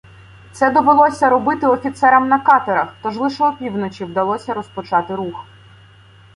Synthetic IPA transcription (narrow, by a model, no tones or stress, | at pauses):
t̪sɛd̪ɔʋɪlˠɔsʲɐɾɔbɪt̪ɪɔfʲit̪sɛɾɐmnɐkɑt̪eɾɐxt̪ɔʒlˠɪʃɔːpʲiwnɔt͡ʃʲiwd̪ɐlˠɔsʲɐɾɔspɔt͡ʃɑt̪ɪɾux